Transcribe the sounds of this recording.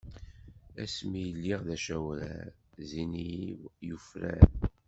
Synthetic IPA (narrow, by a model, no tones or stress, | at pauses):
æ̰smijəlːiʁðæʃæwɾæ̰zinijufɾæ̰n